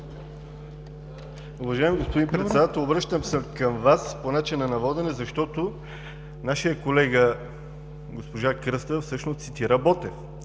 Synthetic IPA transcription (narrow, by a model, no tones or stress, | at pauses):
uvɐʒaɛmiɡospod̪impɾɛt̪ɛd̪at̪ɛlˠobɾɤʃt̪əmsəmkəmvasponat͡ʃinɐnɐvɔd̪ɛnɛzɐʃt̪ɔt̪o | naʃijəkolɛɡə | ɡospoʒakɾəst̪əfsɤʃnost̪sit̪iɾəbɔt̪ɛf